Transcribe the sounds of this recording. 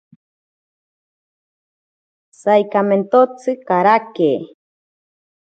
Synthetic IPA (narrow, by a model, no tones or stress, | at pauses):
sajkament̪ot͡sɨkaɾakeː